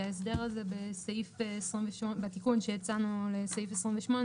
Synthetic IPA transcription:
aesd̪eʁazebesejifːsʁimveʃmobat̪ikunʃejat͡sanulesejifesʁimveʃmo̞n

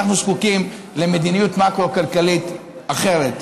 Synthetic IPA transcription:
aχnuskukim | le̞me̞d̪inijut̪makʁoakalkalit̪ | aχe̞ʁet̪

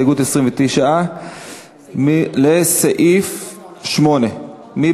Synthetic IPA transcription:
ɡut̪esʁimvet̪ijʃaʔa | leseʔif | ʃmo̞ne̞ | mi

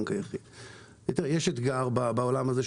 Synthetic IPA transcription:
ŋkajaχid̪ | it̪iʁejeʃet̪ɡaʁbabaolamazeʃ

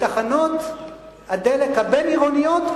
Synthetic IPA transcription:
taχano̞t̪ | had̪elekhabeniʁonijo̞t̪

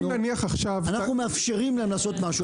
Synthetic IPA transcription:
aniaχaχʃavanaχnumeafʃe̞ʁimleemlaːso̞t̪maʃu

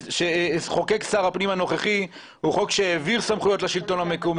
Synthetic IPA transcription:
ʃeχo̞keksaʁapnimano̞χeχi | huχo̞kʃeeviʁsamχujo̞t̪leʃilt̪o̞namekom

